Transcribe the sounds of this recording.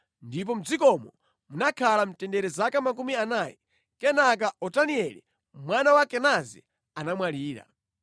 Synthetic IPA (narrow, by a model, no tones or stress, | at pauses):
ndip̬ɔm̩d͡zikɔmɔ | munakʰalam̩tɛndɛɾɛzakamak̬umianajɛ | kɛnakaɔtaniɛli | mwanawakɛnazḭ | anamwaliːɾa̰